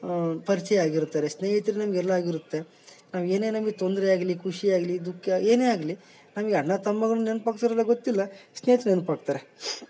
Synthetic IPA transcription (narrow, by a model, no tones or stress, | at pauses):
pɐɾit͡ʃɛjaːɡiɾut̪ːaːɾesneːɦɐt̪iɾenɐmɐɡɛlːɐaːɡiɾut̪ːe̞ | naːʋe̞ːne̞ːnɐmɐɡet̪ond̪ɾɛaːɡlikʰuʂiaːɡlid̪ukːɐe̞ːneːaːɡli | nɐmɐɡeɐɽnɐt̪ɐmːɐɡɐɭɐnnenpaːk̚t̪ɐɾɐlːɐɡot̪ːilːɐsneːt̪ːɐnenpaːɡ̚t̪aːɾe